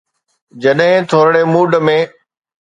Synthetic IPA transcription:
d͡ʑɐɗɦɪ̃t̪ʰoːɾɽemuːɖmẽː

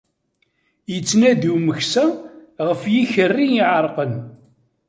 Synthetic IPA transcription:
jət͡sːnæðuməçsæʁəfjiçərːiniʕəɾˤqən

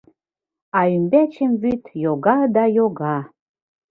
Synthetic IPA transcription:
ɑymbæt͡ɕĕmβyt̪joɣɑd̪ɑjoɣɑ

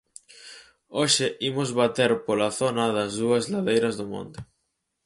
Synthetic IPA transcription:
oʃɪʔimozβat̪eɾpolaθonɐðɐzðuɐzlaðejɾɐzðomõ̰nt̪e

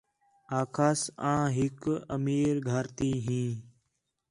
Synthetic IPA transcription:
aːkʰaːsãːɦɪkəmiːɾɡʱəɾt̪iːɦĩː

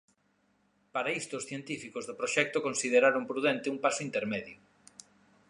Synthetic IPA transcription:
paɾaist̪ʊːsθjent̪ifikozðopɾoʃɛk̚t̪okonsiðeɾaɾoŋpɾuðɛnt̪ɪumpasʊint̪eɾmɛðjʊ

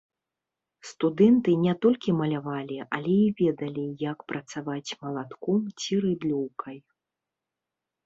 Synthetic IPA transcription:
st̪ud̪ɛnt̪ɨnʲɛt̪ɔlʲkʲimɐlʲavalʲiɐlʲɛivʲɛd̪ɐlʲijɐkpɾɐt̪savat͡sʲmɐlˠat̪kɔmt͡sʲiɾɨd̪lʲɔwkʰɐj

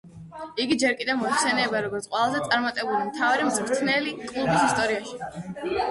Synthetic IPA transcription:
iɡid͡ʒɛɾkʼid̪ɛvmɔɛχsɛnɛːbaɾɔɡɔɾt̪sʰqʼwɛlˠazɛt̪sʼaɾmat̪ʼɛbulimt̪ʰavaɾimzmɾt̪ʰnɛlikʼlˠubisist̪ʼɔɾiaʃi̥

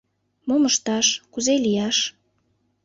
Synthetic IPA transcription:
moməʃt̪ɑʃkuzelijɑʃ

